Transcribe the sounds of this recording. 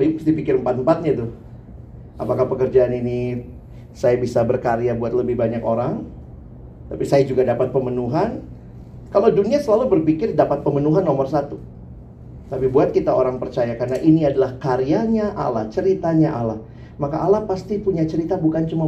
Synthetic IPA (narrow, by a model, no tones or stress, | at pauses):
əsdipikɪrəmpat̪̚mpat̪̚ɲat̪ʊh | apakahpəkərd͡ʒaːnini | sajabisabərkaɾiabuat̪̚ləbɪhbaɲakoɾaŋ | t̪apisajad͡ʒuɡadapat̪̚pəmənuɦan | kalawduniasəlalubərpikɪrdapat̪̚pəmənuɦanːomərsat̪u | t̪apibuat̪̚kit̪aoɾaŋpərt͡ʃajakarnaʔiniadalahkaɾiaɲaʔa̰lat͡ʃəɾit̪aɲaʔala | makaʔːlapast̪ipuɲat͡ʃəɾit̪abukant͡ʃuma